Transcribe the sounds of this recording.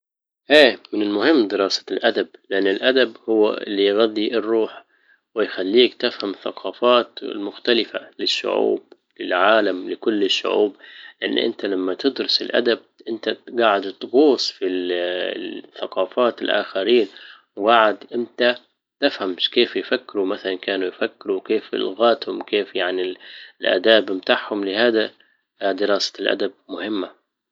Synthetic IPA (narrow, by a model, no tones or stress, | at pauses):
ʔeːmɪnɪlmʊhɪmːd̪ɪɾˤɑːsḁlʔad̪ab̚lɪʔanːɪlʔad̪abhʊwːa̰ʔɪ̰lːijɣad̪ˤːiʔɪrˤːuːħ | wɪjxalːiːkt̪ɪfhamθɑ̰qʰɑːfɑːt̪lmʊxt̪alɪfa̰lɪʃːʊ̰ʕṵːb̚ | lɪlʕaːlamlɪkʊlːɪʃːʊ̰ʕṵːblɪʔɪnːʔɪ̰nt̪alamːat̪ɪd̪ɾʊsɪlʔa̰d̪ab̚ʔɪnt̪aɡaːʕɪd̪t̪ɣoːsˤfi | θaqɑːfaːt̪ɪlʔa̰ːxaɾiːn | wɡaʕɪd̪ʔɪnt̪a | t̪ɪfhamʃkeːfjfakːɪɾumaθalankaːnujfakːɪɾuwkeːfɪ̰lɣaːt̪hʊmkeːfjaʕnilʔa̰ːd̪aːbmt̪aːħhʊmlɪhaːd̪a | d̪ɪɾˤɑːsḁlʔa̰d̪ab̚mʊhɪmːa